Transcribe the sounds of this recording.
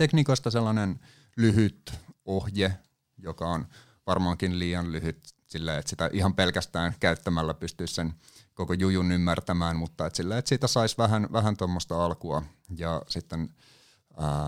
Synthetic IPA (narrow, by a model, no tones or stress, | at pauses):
t̪ekniːkoist̪ɑselːɑnen | lyhyt̪ohje | jokɑon | ʋɑrmɑːŋkinliːɑnlyhyt̪silːeet̪sit̪æʔihɑmpelkæst̪æːnkæyt̪ːæmælːæpyst̪yissen | kokojujunymːært̪æmæːnmut̪ːɑet̪silːeet̪siːt̪æsɑisʋæɦænʋæɦænt̪omːost̪ɑɑlkuɑ | jɑsit̪ːen | əː